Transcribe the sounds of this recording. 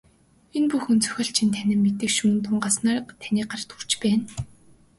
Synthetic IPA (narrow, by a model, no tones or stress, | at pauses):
enpuxunt͡sʰœ̥xʲɔ̆ːɬt͡ɕʰint̪ʰænʲɪ̆mːet̪ɘ̆kʃuːnt̪ʰʊɴɢasnaːrt̪ʰæniːɢart̪u̥r̥t͡ɕpæːn